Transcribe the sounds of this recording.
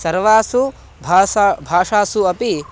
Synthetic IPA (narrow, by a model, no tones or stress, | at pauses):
sɐɾʋaːsu | bʱbʱaːʂaːsuɐpi